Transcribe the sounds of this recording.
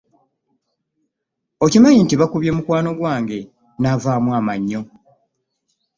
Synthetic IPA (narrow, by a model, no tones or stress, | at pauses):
ocimajintiβakuβje̞mukwaːno̞ɡwaːŋɡe̞ | naːvaːmwaːmaɲːo̞